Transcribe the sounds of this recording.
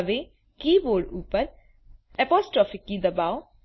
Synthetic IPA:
ʋe | kiːʋoːɖuːpən | ɛpɔːsʈɾɔfɪkːid̪ɐbaʊ

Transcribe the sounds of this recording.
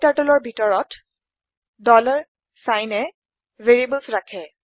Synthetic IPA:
taɹtɔlɔɹbʱitɔɹɔt | dɔlɔɹ | sajnɛ | veɹibəlsɹakʰɛ

